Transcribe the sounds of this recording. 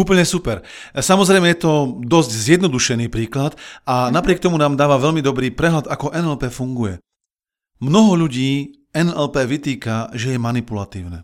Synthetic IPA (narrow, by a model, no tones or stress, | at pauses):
uːpl̩ɲɛsupɛɾ | samɔzɾɛɪmɛjɛt̪ɔd̪ɔzɟzjɛd̪nɔd̪uʃɛniːpɾiːklat̪anapɾɪɛk̚t̪ɔmunaːmd̪aːʋaʋɛʎmid̪ɔbɾiːpɾɛɦlad̪akɔʔɛnɛlpɛːfuŋɡujɛ | mnɔɦɔʎuɟiː | ɛnɛlpɛːʋit̪iːkaʒɛjɛmanipulat̪iːʊnɛ̰ː